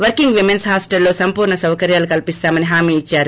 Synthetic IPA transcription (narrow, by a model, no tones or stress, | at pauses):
ʋɐɾkiŋɡʋimensɦaːsʈɐlːoːsɐmpuːɾɳɐsɐwkɐɾjaːlukɐlipist̪aːmɐniɦaːmiːit͡ʃːaːɾu